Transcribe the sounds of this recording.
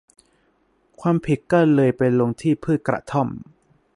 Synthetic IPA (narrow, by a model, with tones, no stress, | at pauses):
kʰwaː˧mpʰi˨˩t̪̚kɔː˥˩lɤː˧jpe˧nlo˧ŋt̪ʰiː˥˩pʰɯː˥˩t̪̚kɾa̰˨t̪ʰɔ˥˩m